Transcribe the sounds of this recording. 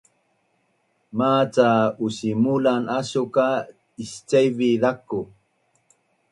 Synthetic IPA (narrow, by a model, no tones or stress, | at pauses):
mat͡sausimulanaɕuka | ist͡ʃajviðakːu